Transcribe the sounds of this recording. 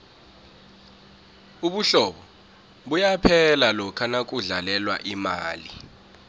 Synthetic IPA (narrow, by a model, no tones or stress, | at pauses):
uɓuɬɔɓɔ | ɓujapʰɛlalɔkʰanak̬ʼuɮalɛlwa̰ʔimaːlḭ